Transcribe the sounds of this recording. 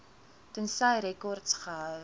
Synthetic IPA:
tənsɐjɾɛkɔrtsχəɦœw

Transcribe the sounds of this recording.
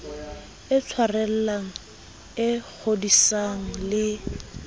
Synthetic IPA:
ɪt͡sʰwarɛl̩laŋ̩ | ɪk͡xʰodisaŋ̩lɪ

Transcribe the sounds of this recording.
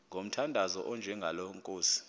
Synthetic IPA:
ŋɡʱom̩tʰandʱazɔʔɔnd͡ʒʱɛŋɡʱaloŋkʼoːsi̥

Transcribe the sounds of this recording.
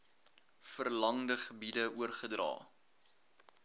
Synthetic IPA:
fərlɐŋdəχəbidəuərχədrɑ̰ː

